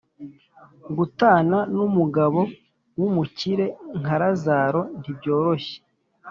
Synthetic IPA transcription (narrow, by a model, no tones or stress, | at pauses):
ɡutaːnanumuɡaβo̞ | wumuciɾe̞ŋ̥aɾazaːɾo̞n̥ibɟo̞ːɾoçe̥